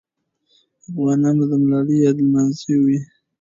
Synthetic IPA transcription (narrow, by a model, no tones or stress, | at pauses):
afɣɑnɑnod̪əmlɑləjɑd̪lmanziwi